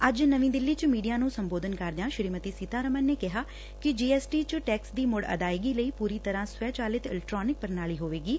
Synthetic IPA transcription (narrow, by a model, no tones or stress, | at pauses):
əd͡ʒnəʋĩːd̪ɪlːiːt͡ʃmiːɖijaːnũːsəmboːd̪ənkəɾd̪ejãːʃɾiːmət̪iːsiːt̪aːɾəmənːeːkɪɦaː | kɪd͡ʒiːɛːsʈiːt͡ʃəʈɛːksd̪iːmʊɽə̰d̪aːeɡiːləiːpuːɾiːt̪əɾãːsʋɛːt͡ʃaːlɪt̪ɪ̰lɛk̚ʈɾoːnɪk̚pəɾnaːɭiːɦoːʋeːɡiː